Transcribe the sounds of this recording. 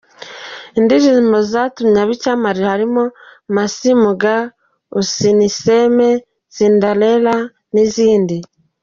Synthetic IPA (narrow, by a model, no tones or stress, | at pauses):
indizimbozatumɲaβicamaɾihaɾimomasimuɡa | usiniseme | z̥indalela | niziːndi